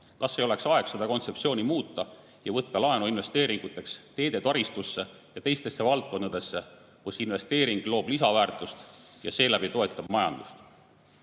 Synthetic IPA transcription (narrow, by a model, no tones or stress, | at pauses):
kɑsːejo̞le̞ksɑe̞ksɑd̪̥ɑko̞nt̪se̞psio̞ːnʲimuːt̪ːˑɑ | jɑvɤt̪ːɑlɑenuinve̞st̪e̞ːɾiŋɡut̪ːˑe̞kst̪e̞ːd̪e̞t̪ɑɾist̪usːe̞ | jɑt̪e̞jst̪e̞sːe̞vɑlt̪̚ko̞nɑd̪̥e̞sːe̞ | kusinve̞st̪e̞ːɾiŋɡ̥lo̞ːblisɑvæːrt̪ˑust̪jɑ̰se̞ːlæbit̪o̞e̞t̪ːˑɑb̥mɑjɑ̰nd̪̥ust̪